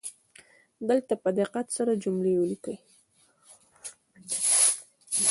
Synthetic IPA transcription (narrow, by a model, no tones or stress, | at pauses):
d̪əlt̪apəd̪ɪqat̪saɾad͡ʒʊmlewəlikəj